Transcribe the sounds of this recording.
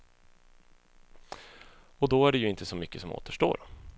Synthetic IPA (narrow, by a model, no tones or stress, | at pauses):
ɔd̪ɔæɖɛjɵɪnt̪əsɔmʏkːəsɔmo̰ːt̪əʂʈo̰ːɾ